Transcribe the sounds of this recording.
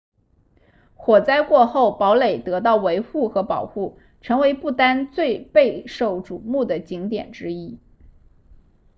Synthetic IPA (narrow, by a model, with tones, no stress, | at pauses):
xwɔ˨˩t͡sa˥ɪkwɔ˥˧xo˥˩ʊpɑ˧˥ʊle˨˩ɪt̪ɤ˧˥t̪̬ɑ˥˩ʊwe˧˥ɪxu˥˩xɤ˧˥pɑ˨˩ʊxu˥˩ | ʈ͡ʂʰɤ˧˥ŋwe˧˥ɪpu˥˩t̪a˥nt͡swe˥˧ɪpe˥˧ɪʂo˨˩ʊʈ͡ʂu˨˩mu˥˩d̪ə˩t͡ɕi˧˥ŋt̪jɛ̰˨˩nʈ͡ʂɻ̩˥i˥